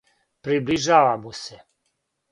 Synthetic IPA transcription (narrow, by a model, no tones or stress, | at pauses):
pɾibliʒaːʋamuse